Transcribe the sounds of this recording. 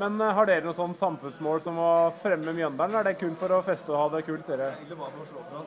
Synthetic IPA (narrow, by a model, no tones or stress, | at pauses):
mɛnɦɑɖeːɾənuːsɔnːsɑmfʉnsmoːlsɔmːɔfɾɛmːəmjɑnd̪ənæɖɛkʰʉːlt̪fɔɾɔfɛst̪əɔhɑːd̪ɛkʰʉːlt̪̚d̪eːɾə